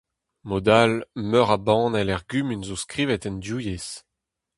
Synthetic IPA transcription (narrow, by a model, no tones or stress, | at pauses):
mod̪almœʁabɑ̃ːnɛlɛʁɡymynzoskʁiːvɛt̪ɛndjuːjes